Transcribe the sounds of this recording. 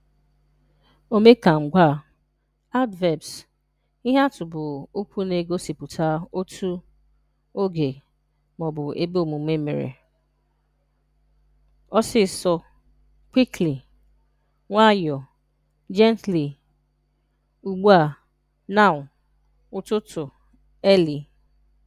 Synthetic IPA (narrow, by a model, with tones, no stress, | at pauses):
o˦me˦ka˨ŋ͡m̩˨ɡʷa˦˨ | a˦ʊ˦tvɛ˨bs | i˦ɦa˦tʊ˨bʊ˨o˦kʷʰu˦ne˨ɡo˦si˨pʊ˨tʰa˦o˦tʰu˦ | o˦ɡe˨ | mɔ˨bʊ˨ʔe˦be˦o˨mu˨˦me˦mḛ˨ɾḛ˨ | ɔ˦sɪ˦˨sɔ˦ | kʷi˦kli˨ | ŋʷa˦jɔ˨ | d͡ʒɛ˦ntli˨ | u˨ɡ͡bu˦a˨ | na˦ʊ˨ | ʊ˨tʊ˦tʊ˨ | ɛ˦li˨